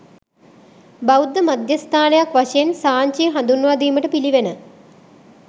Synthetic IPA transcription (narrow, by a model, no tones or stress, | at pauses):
bawd̪ːəmad̪jɐst̪ʰaːnejakʋaʂɐjensaːɲt͡ʃijɦand̪unʋaːd̪iːməʈəpiliʋenə